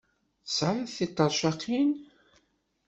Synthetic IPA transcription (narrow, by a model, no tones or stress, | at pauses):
θəsʕɾˤəðθit̪ˤːɑɾˤʃɑqːin